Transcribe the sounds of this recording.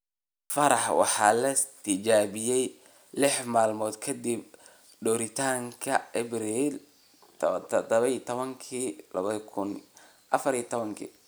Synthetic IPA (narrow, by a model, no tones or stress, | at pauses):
fɐɾɑħwɑ̰ħɑːlɐst̪ʰɪt͡ʃaːβɪjɛj | lɪħmaːlmɔːd̪kʰɐd̪ib | ɖɔːɾɪt̪ʰaːŋkʰɐɛbɾiːl | t̪ʰd̪ɐβɐit̪ʰɔβɐŋkʰilɐ̰βɐðkʰʊn | ʔɐfɐɾiːt̪ʰɔβɐŋkʰḭ